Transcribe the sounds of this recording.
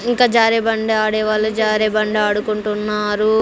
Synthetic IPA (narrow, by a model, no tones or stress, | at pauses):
iŋkaːd͡ʒaːɾebɐɳɖeaːɽɛːʋaːɭːud͡ʒaːɾeːbɐɳɖeaːɽukuɳʈunːaːɾu